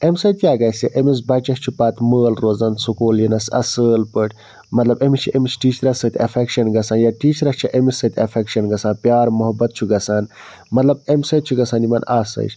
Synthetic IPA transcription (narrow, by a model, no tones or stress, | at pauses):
emsɐt̪ijaːɡɐsiʔemis̬bɐt͡ʃɐst͡ʃʰupaːt̪məːlɾoːzɐnsukuːljinɐsɐ̰səːlpəʈʰʲ | mɐt̪lɐbemit͡ʃʰiemisʈiːt͡ʃʰɾɐsɐt̪ʲɐfʰekʃɐnɡɐsaːnjaːʈiːt͡ʃʰɾɐst͡ʃʰiʔemisɐt̪ʰʲɐfʰekʃɐnɡɐsaːnpʲjaːɾmuɦɐbɐt̪̚t͡ʃʰuɡɐsaːn | mɐt̪lɐb̚emsɐt̪t͡ʃʰuɡɐsaːnimɐnaːsɐ̰jt͡ʃʰ